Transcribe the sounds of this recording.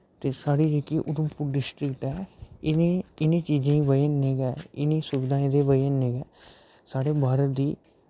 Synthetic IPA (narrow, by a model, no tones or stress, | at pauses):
t̪eːsaːɽiːd͡ʒeːkiːʔʊd̪əmpʊɾɖɪsʈɾɪkʈɛːɪneɪnẽːt͡ʃiːd͡ʒẽːiʋəəneːɡɛːɪnĩːsʊʋɪd̪ãːd̪eːʋəə̃neːɡɛː | saːɽeːbʱaːɾət̪d̪iː